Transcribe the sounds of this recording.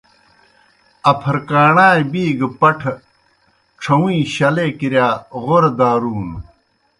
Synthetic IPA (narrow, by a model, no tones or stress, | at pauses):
ɐpʰɐɾkaːɳaːjbiːɡpɐʈʰ | ʈ͡ʂʰɐwĩːɕɐleːkiɾjaːɣoɾd̪aːɾuːn